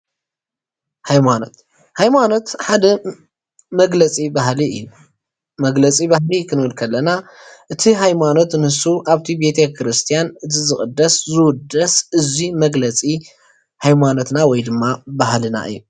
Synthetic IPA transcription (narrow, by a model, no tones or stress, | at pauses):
hajmanot̪ | hajmano̞t̪ħad̪ɐ | mɐɡlɐt͡sʼibaɦliɨ̰ju | mɐɡlɐt͡sʼibaɦlikʰɨnɨɨlkʰɐlːɐna | ʔɨt̪ʰiɦajmano̞t̪nɨhɨsuʔaβt̪ʰibe̞t̪ʰekʰɨɾɨst̪ʰijanɨzʰizɨxʼɨd̪ːɐszɨwʊd̪ɐsʔɨzimɐɡlɐt͡sʼi | hajmano̞t̪nawɔjd̪ɨmːabaɦlɨna̰ʔɨ̰jːu